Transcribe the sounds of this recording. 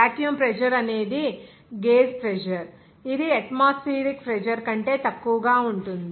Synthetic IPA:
aːʈjumpɾɛd͡ʒɐɾɐne̞ːd̪i | ɡeːspɾed͡ʒɐɾ | id̪iɐʈmaːspiːɾikpɾɛd͡ʒɐɾkɐɳʈe̞ːt̪ɐkːuʋɐɡaːuɳʈund̪i

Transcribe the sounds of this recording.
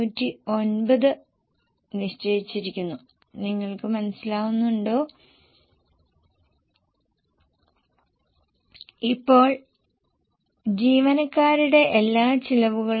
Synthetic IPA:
uːtːio̞nbɐðɨ | niʂʈɐjit͡ɕːiɾikʲːunːu | niŋːɐɭkɨmɐnɐsilaːɣunːuɳɖo̞ː | ipːo̞ːɭ | d͡ʑiːʋɐnɐkːaːɾuɽe̞ʔelːaːt͡ɕilɐʋuɣɐɭ

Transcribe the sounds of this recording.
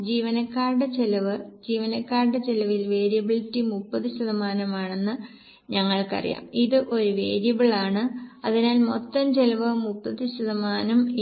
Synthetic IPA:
d͡ʑiːʋɐnɐkːaːrɖɨt͡ɕelɐʋɨd͡ʑiːʋɐnɐkːaːrɖɨt͡ɕelɐʋilʋe̞ːɾjɐbiɭitːɨmupːɐðɨɕɐðɐmaːnɐmaːɳe̞nːɨ | ɲɐŋːɐɭkɐ̰rḭja̰ːmiðɨʔo̞ɾuʋe̞̰ːɾijɐbiɭaːɳɨɐðinaːlmot̪ːɐmd͡ʑelɐʋɨmupːɐðɨɕɐðɐmaːnɐm

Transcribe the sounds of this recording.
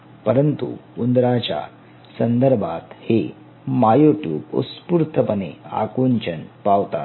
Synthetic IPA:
pəɾənt̪ṵund̪ɾat͡ɕja̰ | sənd̪əɾbʱat̪he | majoʈjuːbo̰spuɾt̪ʰəpənḛa̰kunt͡ɕənpaʋt̪a̰t̪

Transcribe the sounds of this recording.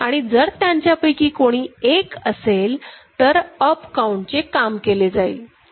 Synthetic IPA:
aɽ̃id͡zəɾt̪jãɲt͡ɕjapəjkiːkoɽ̃iːekəselt̪əɾəpkauɳʈt͡ɕekamkeled͡zaḭː

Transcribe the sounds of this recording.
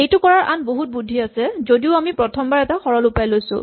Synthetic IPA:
ejtʊkɔɹaɹʔanboɦut̚budʱːiasɛzodiʊamipɹɔtʰɔmbaɹɛtaxɔɹɔlupajlojsʊ̰̃

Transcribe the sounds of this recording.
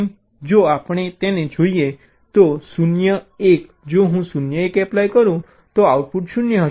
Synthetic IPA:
d͡ʒoapɳ̃et̪enẽd͡ʒʱoije | t̪osunjəek | d͡ʒoɦũsunjəekɛplajkəɾũ | t̪oauʈ̚puʈsunjəɦə

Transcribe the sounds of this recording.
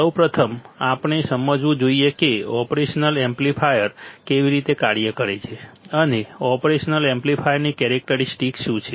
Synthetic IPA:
səwpɾət̪ʰəmapɳ̃esəməd͡ʒʋũd͡ʒoiekeɔpɾeʃənəlemplipʰajəɾkeʋiɾit̪ekaɽjəkəɾet͡ʃʰeəneɔpɾeʃnəlemplifʰajəɾnikɛɾek̚ʈəɾisʈikʃũt͡ʃʰe

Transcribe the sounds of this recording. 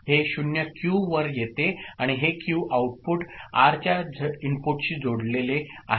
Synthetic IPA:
heɕunjakjuʋəɾjet̪eaɽ̃iɦekjuʔauʈ̚puʈaɾt͡ɕjad͡zimpuʈɕiːd͡zoɽlelea̰

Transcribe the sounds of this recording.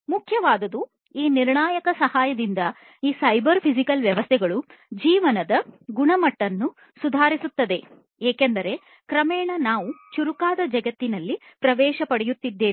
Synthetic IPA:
mukʰjɐʋaːd̪ɐd̪u | iːniɾɳaːjɐkɐsɐhaːjɐd̪ind̪ɐ | iːsɐjbɐɾpʰisikɐlʋjɐʋɐst̪ʰɛɡɐɭud͡ʒiːʋɐnɐd̪ɐɡuɳɐmɐʈːɐnːu | sud̪ʱaːɾisut̪ːɐd̪e̞ | eːkend̪ɐɾe̞ | kɾɐmɛːɳɐnaːʋut͡ʃuɾukaːd̪ɐd͡ʒɐɡɐt̪ːinɐlːipɾɐʋɛːʃɐpɐɽɛjut̪ːid̪ːe̞ːi

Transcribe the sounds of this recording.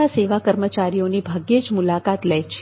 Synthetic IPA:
aseʋakəɾmət͡ʃaɾijonibʱaɡed͡ʒmulakat̪ləjt͡ʃʰ

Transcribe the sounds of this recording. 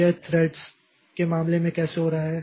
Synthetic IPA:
eːt̪ʰɾɛːɖs | kemaːmlemẽkɛːseɦoɾaɦaɦɛː

